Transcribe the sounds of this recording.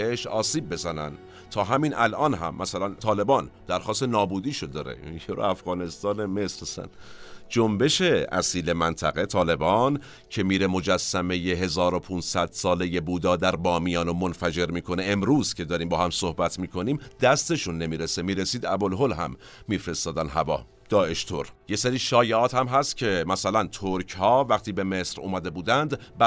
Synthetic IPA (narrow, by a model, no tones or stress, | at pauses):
eʃɒːsiːb̚ːe̞zænæn | t̪ʰɒːɦæmiːnʔælʔɒːnɦæ̰mːæsælænt̪ʰɒːle̞bɒːnd̪̥æɾxɒːst̪enɒːbuːd̪iːʃod̪ɒːɾḛjeɾo̰æfɣɒːne̞st̪ɒːneme̞sɾæsæ̰nd͡ʒombe̞ʃe̞æ̰siːle̞mænt̪ʰæɣe̞t̪ʰɒːle̞bɒːn | cʰe̞miːɾemo̞d͡ʒæsːæme̞jeɦe̞zɒːɾopʰunsæd̪̥sɒːleje̞buːd̪ɒːd̪æɾbɒːmijɒːnomonfæd͡ʒe̞ɾmiːkʰo̞neemɾuːz̥cʰe̞d̪ɒːɾiːmbɒːhæmso̞hbæt̪ʰmiːkʰo̞niːmd̪æst̪e̞ʃunːe̞miːɾesemiːɾesiːd̪æbolɦolɦæ̰mːiːfɾe̞st̪ɒːd̪ænɦævɒ̰ː | d̪̥ɒːe̞ʃt̪ʰoɾjeseɾiːʃɒːjeʔɒːt̪hæmɦæst̪cʲʰe̞mæsælænt̪ʰoɾcʰhɒːvæxt̪iːbe̞me̞sɾṵːmæd̪e̞buːd̪ænd̪ | bæ